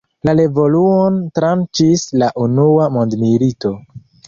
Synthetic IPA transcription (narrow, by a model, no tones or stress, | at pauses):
lale̞vo̞luontɾant͡ʃislaʔunuamondmilito̞